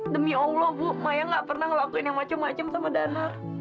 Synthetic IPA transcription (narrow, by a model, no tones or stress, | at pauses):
dəmiowlɔbʊmajaŋɡaʔpərnahŋəlakuɪnjaŋmat͡ʃamːat͡ʃamsamadanar